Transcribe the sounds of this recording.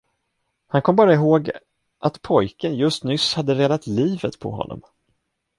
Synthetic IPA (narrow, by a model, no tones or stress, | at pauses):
hankʰɔmːbɑːɾaɪɦoːɡ | ʔat̪pʰɔjkənjɵst̪nʏshad̪ːəɾeːd̪at̪liːvət̪pʰɔ̰ɦɔ̰nːɔ̰m